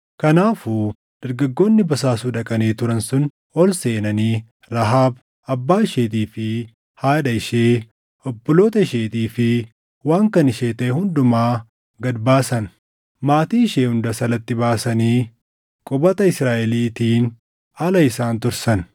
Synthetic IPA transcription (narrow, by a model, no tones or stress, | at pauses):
kɐnaːfu | d̪̥ɐɾɡɐɡːo̞ːnːɪbɐsaːsuːᶑɐkʼɐneːt̪ʊɾɐnsʊn | ɔlse̞ːnɐniː | ɾɐɦaːb | ɐbːaːɪʃeːt̪̬iːfɪ | haːᶑɐɪʃeː | ɔbːɔloːt̪ɐɪʃeːt̪iːfɪ | waːŋkɐnɪʃeːt̪ɐɛhʊnd̪ʊmaː | ɡɐd̪baːsɐn | maːt̪iːɪʃeːhʊnd̪ɐsɐlɐt̪ːɪbaːsɐniː | kʼɔbɐt̪ɐɪsɾaːʔɛliːt̪iːn | ɐlɐɪsaːnt̪ʊɾsɐn